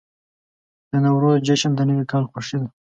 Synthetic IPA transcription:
d̪̥ənawɾozd͡ʒaʃand̪ənəwikɑːlxʊʂid̪a

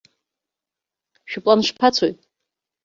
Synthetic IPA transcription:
ʃᶣʊpʼlanʂpʰat͡sʰojtʼ

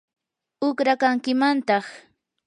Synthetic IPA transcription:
ʊkɾakaŋkɪmant̪ɑχ

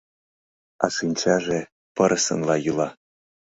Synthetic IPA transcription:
ɑ̰sɨnʲt͡ɕæʒe | pɤ̆ɾʔɤsə̆nlɑjɯlˠɑ

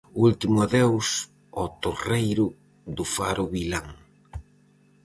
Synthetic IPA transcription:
ult̪imʊaðews | ɔt̪orejɾʊ | ðʊfaɾʊβilaŋ

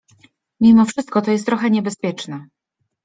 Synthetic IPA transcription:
mʲimɔfʂɘst̪̚kɔt̪ɔjɛst̪ːɾɔxɛɲɛbɛspʲjɛt͡ʂnɛ

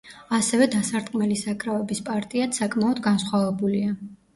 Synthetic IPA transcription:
asɛvɛd̪asaɾt̪ʼqʼmɛlisakʼɾavɛbispʼaɾt̪ʼiat̪sakʼmaɔd̪ɡansχwavɛbulia

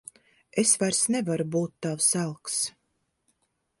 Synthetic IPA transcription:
esvajɾsnɛvaɾubuːt̪ːawsælˠks

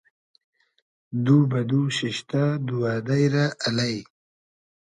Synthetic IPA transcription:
d̪ubad̪uɕiʃt̪ad̪uwad̪ajɾaʔalaj

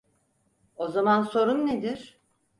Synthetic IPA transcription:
ozamanso̞ɾunːed̪iɾ̥

